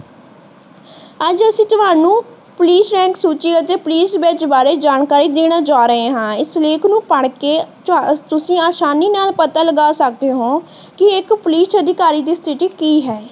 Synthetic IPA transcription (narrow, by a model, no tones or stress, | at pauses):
əd͡ʒəsĩːt̪ʊʋaːnũː | pʊliːsɾɛ̃ːŋksuːt͡ʃiːət̪eːpʊliːsbeːt͡ʃbaːɾeːd͡ʒaːnkaːɾiːd̪eːɽ̃aːd͡ʒaːɾəɦẽːɦãːɪsleːkʰnũːpəɳ̃keː | t̪ʊsĩːaːʃaːniːnaːlpət̪aːləɡaːsək̚d̪eːɦõː | kɪɪkpʊliːsəd̪ʱɪkaːɾiːd̪iːst̪ʰɪʈiːkiːɦɛː